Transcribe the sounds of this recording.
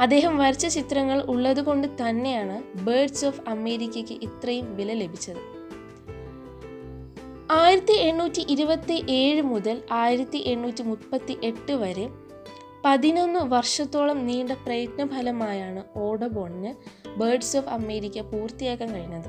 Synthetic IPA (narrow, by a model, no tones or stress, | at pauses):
ɐd̪ːe̞ːɦɐmʋɐɾit͡ɕːɐt͡ɕit̪rɐŋːɐɭuɭːɐðuɣo̞ɳɖɨt̪ɐnːe̞jaːɳɨbeːrɖsoːfɐme̞ːɾikʲːɐkʲːɨʔit̪rɐjumʋilɐle̞bʱit͡ɕːɐðɨ | aːjiɾɐt̪ːie̞ɳːuːtːiʔiɾubɐt̪ːiʔe̞ːɻɨmuðɐlaːjiɾɐt̪ːiʔe̞ɳːuːtːimupːɐt̪ːiʔe̞ʈːɨʋɐɾe | pɐðino̞nːɨʋɐrʂɐt̪ːo̞ːɭɐmniːɳɖɐprɐjɐt̪nɐbʱɐlɐmaːjaːɳɨo̞ːɽɐboːɳinɨbeːrɖsofɐme̞ːɾikʲːɐpuːrt̪ijaːkːaːmkɐɻinːɐðɨ